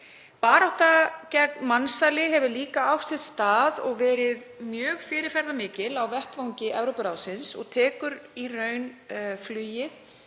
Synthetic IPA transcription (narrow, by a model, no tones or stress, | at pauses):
paːɾawht̪acɛk̚nmansalɪɦɛvʏliːkaawst̪ɪðst̪aːðɔɣvɛːɾɪðmjœːɣfɪːɾɪɾ̥fɛɾðamɪːcɪlawvɛht̪vawɲcɪʔɛvɾopʏɾaːwsɪnsɔ̰ɣt̪ʰɛːkʏɾirœɥnflʏːjɪθ